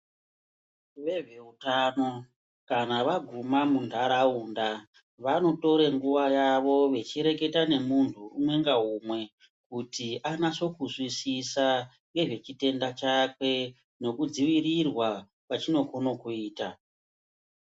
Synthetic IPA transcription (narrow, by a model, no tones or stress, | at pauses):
ʋe̞ʐe̞utano̞ | kanaʋaɡʱumamuntʰaɾauːnda | ʋano̞to̞ɾe̞ŋɡuʋajaʋo̞ʋe̞t͡ʃiɾe̞ke̞tane̞muntʰuumwe̞ŋɡaɦumwe̞ | kutiʔanaso̞kuswisisa | ŋɡe̞ʐe̞t͡ʃite̞ndat͡ʃakwe̞ | no̞kud͡ziʋirirwa | pat͡ʃino̞kono̞kuiːta